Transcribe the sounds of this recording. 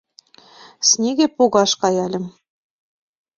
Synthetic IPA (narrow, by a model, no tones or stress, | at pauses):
snʲeɣĕpoɣɑʃkɑjɑlʲɘ̆m